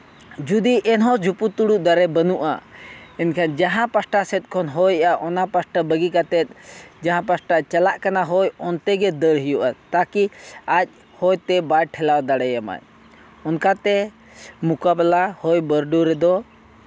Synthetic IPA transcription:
d͡ʒud̪iʔɛnɦɔ̃d͡ʒʱuput̪uɽuʔd̪aɾɛbənuʔa̰ɛnkʰand͡ʒaɦãpasʈasɛt̪̚ˀkʰɔnɦɔjaʔɔnapasʈabəɡikat̪ɛt̪̚ˀd͡ʒaɦãpasʈat͡ʃalaʔkanaɦɔjɔnt̪ɛɡɛd̪əɽɦijuʔat̪akiac̚ˀ | hɔjt̪ɛbajʈʰɛlawd̪aɽɛjama̰j | ɔnkat̪ɛ | mukabɛlahɔjbəɾɖuɾɛd̪ɔ

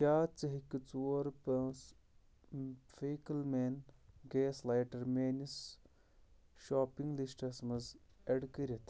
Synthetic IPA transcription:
kʲaːt͡sɨɦikɨt͡suɐɾpɐs | feːkɐlmeːnɡeːslajʈɐɾmeːnis | ʃoːpiŋɡlisʈɐsmɐzɐɖkɐɾʲɐt̪ʰ

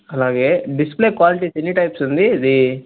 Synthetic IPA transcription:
ɐlaːɡe̞ːɖispleːkʋaːliʈisenːiʈɐjpsund̪id̪i

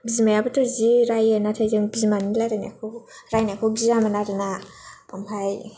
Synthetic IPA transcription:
bizimajabɯtʰɯziɾajenatʰajzɯŋbizimanilajɾaniakʰɯwɾajniakʰɯwɡizamanaɾɯnapʰampʰaj

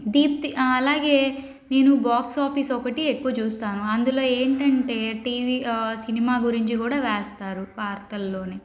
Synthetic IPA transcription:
d̪iːt̪iɐlaːɡe̞ː | ne̞ːnubaːksaːpisɔkɐʈiekːuʋɐt͡ʃuːst̪aːnuɐnd̪ulo̞ːeːɳʈɐɳʈe̞ːʈiːʋiːsinimaːɡuɾiɲt͡ʃikuːɽaːʋeːst̪aːɾuʋaːɾt̪ɐlːo̞ːne

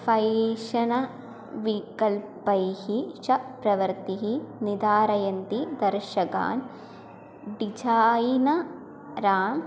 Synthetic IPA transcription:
fɐjʃɐnɐ | ʋikɐlpɐjhiʃɐpɾɐʋɐɾt̪iɦinid̪aːɾɐjɐnt̪id̪ɐɾʃɐka̰ːn | ɖid͡ʒaːjinɐ | ɾaːm

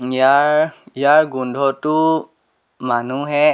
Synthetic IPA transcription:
ijaɹijaɹɡundʱɔtʊ | manuɦɛ

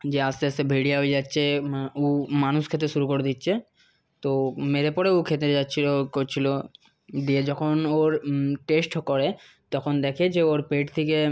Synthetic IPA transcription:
d͡ʑeast̪easebʱiɽiaɦoed͡ʒatːʃʰeumanuskʰet̪ɾeʃuɾukoɾed̪itːʃʰe | t̪omeɾepɔɾeukʰet̪ɾed͡ʒatːt͡ɕʰilokot͡ɕʰilo | d̪ied͡ʑɔkʰonoɾʈesʈkɔɾe | t̪ɔkʰond̪ɛkʰed͡ʑeoɾpeʈt̪ʰike

